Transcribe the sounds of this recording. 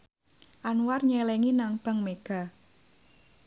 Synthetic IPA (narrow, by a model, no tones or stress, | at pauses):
ʔanwarɲɛlɛŋinaŋb̥a̤ŋmeɡ̥a̤